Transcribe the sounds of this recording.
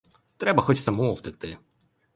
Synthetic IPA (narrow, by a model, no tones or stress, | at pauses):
t̪ɾɛbɐxɔt͡ʃsɐmɔɔwt̪ɪkt̪ɪ